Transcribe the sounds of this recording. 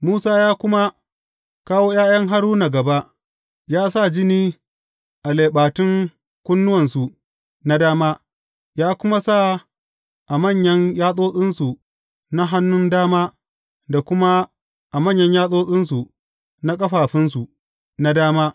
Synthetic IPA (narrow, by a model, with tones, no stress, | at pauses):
muː˦saː˦jaː˦kʷʊ˦ma˦ | kaː˦woː˦jaː˦jɐ˦ŋɦa˦ɽuː˦na˨ɡɐ˨ba˦ʔ | jaː˦sa˦˨d͡ʒɪ˦niː˦ | ʔa˨leː˨ɓaː˨tɪ˦ŋ | kʷʊ˦nːʊ˦wɐ˨nsu˨ | na˦daː˦maː˦ | jaː˦kʷʊ˦ma˦sa˦˨ | ʔa˨mɐ˦˨ɲjɐ˦ɲjaː˦sʼoː˦sʼɪ˦nsu˨ | na˦ɦa˦nːʊ˦ndaː˦maː˦ | da˨kʷʊ˦ma˦ | ʔa˨mɐ˦˨ɲjɐ˦ɲjaː˦sʼoː˦sʼɪ˦nsu˨ | na˦kʼɐ˦ɸaː˨ɸɪ˦nsu˨ʔ | na˦daː˦maː˦